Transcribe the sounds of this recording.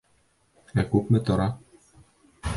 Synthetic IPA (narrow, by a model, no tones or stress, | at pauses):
ækʉpmɘt̪ŏɾɑ